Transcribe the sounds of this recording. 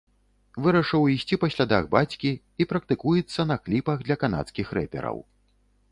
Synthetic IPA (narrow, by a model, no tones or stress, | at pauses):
vɨɾɐʂɨwisʲt͡sʲipɐsʲlʲad̪a̰ɣbat͡sʲkʲi | ipɾɐk̚t̪ɨkujit̪sːɐnɐklʲipɐɣd̪lʲɐkana̰t̪skʲixrɛpʲɛ̰ɾɐ̰w